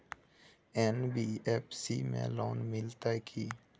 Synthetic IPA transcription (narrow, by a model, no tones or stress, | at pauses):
ɛːnbiːɛːpʰsimḛ̃loːnmɪlt̪akʰiː